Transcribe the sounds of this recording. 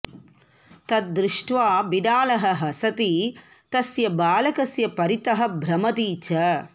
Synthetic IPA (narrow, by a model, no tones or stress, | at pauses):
t̪ɐt̪̚d̪ɾɪʂʈʋaːbiɖ̪aːlɐɦɐ̆ɦɐsɐt̪i | t̪ɐsjɐbaːlɐkɐsjɐpɐɾit̪ɐɦɐ̆bʱɾɐmɐt̪iːt͡ʃɐ